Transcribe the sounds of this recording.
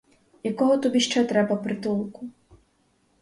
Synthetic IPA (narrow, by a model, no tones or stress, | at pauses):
jakɔɦɔt̪ɔbiʃt͡ʃɛt̪ɾɛbaprt̪ulˠku